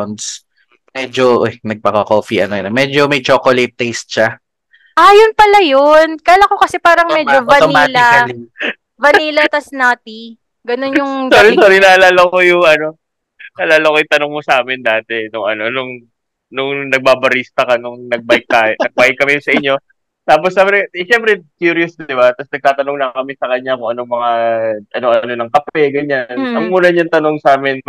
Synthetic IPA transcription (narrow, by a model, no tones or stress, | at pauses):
ns | mɛːd͡ʒoʔonɐɡ̚pɐkɐkoːfiʔɐnonɐmɛd͡ʒomɐjt͡ʃoːkolɐt̪ːɛjst̪̚ʃa | ʔajʊnpɐlajonkaːlɐko̞kɐsɛpaːɾɐŋmɛːd͡ʒovɐnt̪omalɪɐɐɪ | vɐniːlɐt̪ɐsnaːt̪i | ɡɐno̞njʊŋsoɾisoːɾɪnalaːlɐkojʊŋʔɐno̞ | nɐlaːlɐkojʊŋt̪ɐnoŋmosɐaːmɪnd̪aːt̪ɛnʊŋɐno̞nʊŋ | nʊŋnɐɡ̚baːbɐɾiːst̪ɐkɐnʊŋnɐɡ̚bajɪk̚t̪anɐɡ̚baːjɪkːɐmɪjsɐʔɪɲːo̞ | t̪aːp̬osːabɾɛʃɛmpɾɛkjuːɾijosd̪ɪbat̪ɐsnɐɡ̚t̪aːt̪ɐnoŋnɐkɐmɪsɐkɐɲːakʊŋʔɐno̞ŋmɐŋaʔɐnoʔɐɐno̞nɐŋkɐpɛɡɐɲːanɐŋmuːnɐɲant̪ɐnoŋsaːmɪn